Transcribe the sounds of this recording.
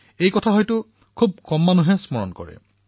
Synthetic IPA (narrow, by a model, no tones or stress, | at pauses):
ejkɔtʰaɦɔjtʊ | kʰub̚kɔmːanuɦɛsmɔɹɔ̰nkɔ̰ɹɛ̰